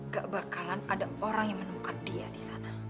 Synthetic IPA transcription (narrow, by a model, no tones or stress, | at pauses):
ɡaʔbakalanadaoɾaŋjaŋmənəmukandiadisana